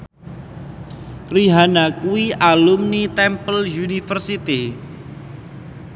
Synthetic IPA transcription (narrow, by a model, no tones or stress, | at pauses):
riɦanakuiʔalumnit̪ɛmpəljunifərsit̪i